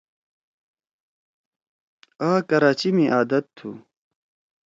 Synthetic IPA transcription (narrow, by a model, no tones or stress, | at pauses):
aːkɐɾaːt͡ɕimiʔaːd̪ɐt̪ʰːṵ